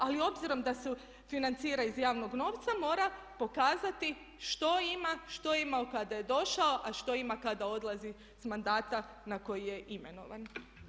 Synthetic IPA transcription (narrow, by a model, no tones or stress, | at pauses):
alio̞bziɾo̞md̪asu | finant̪siːɾaizjaːʋno̞ɡno̞ːʋt̪samo̞ːɾa | po̞kaːzat̪i | ʃt̪o̞imaʃt̪o̞eimaokad̪aje̞d̪o̞ʃao̞ʔaʃt̪o̞imakad̪ao̞d̪lˠazi | smand̪aːt̪a | nako̞jije̞ʔime̞no̞̰ʋa̰n